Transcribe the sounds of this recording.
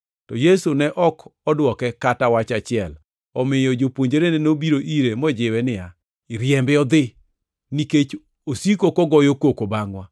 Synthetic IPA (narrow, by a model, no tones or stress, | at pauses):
tɔjesunɛʔɔkɔdwɔkɛkatawat͡ʃat͡ʃɪɛl | ɔmɪjɔd͡ʒopwoɲd͡ʒeɾenenobiɾoʔiɾemɔd͡ʒɪwɛnɪja | ɪɾjɛmbɪɔd̪ɪ | niket͡ʃ | osikokɔɡɔjokokobaŋwa